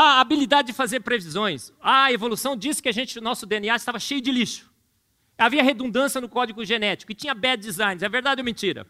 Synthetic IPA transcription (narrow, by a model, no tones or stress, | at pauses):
aːbilid̪ad͡ʒɪd͡ʒɪfazeɾpɾevizõj̃sɐevolusɐ̃w̃d͡ʒisɪ̥kɪaʒẽnt͡ʃɪnɔsʊd̪eẽniaɪst̪avɐʃejʊd͡ʒɪliʃʊ̥ | aviɐɦed̪ũd̪ɐ̃siɐnʊkɔd͡ʒiɡʊʒenɛt͡ʃi̥kʊɪt͡ʃĩɲɐbɛd͡ʒizãj̃nɪzɛveɾd̪ad͡ʒɛwmẽnt͡ʃiɾɐ̰